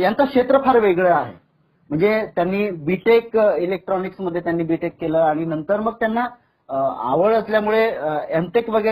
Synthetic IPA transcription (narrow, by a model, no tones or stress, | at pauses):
jant͡sakɕet̪ɾəpaɾʋeɡɭəaɦḛ | m̤əɳd͡zet̪janːiːbiʈekilek̚ʈɾɔniksməd̪ʱːjet̪janːiːbiʈekːeləːaɽ̃inənt̪əɾməɡ̚t̪janːa | a̰ʋəɭəsljamuɭeemʈekʋəɡə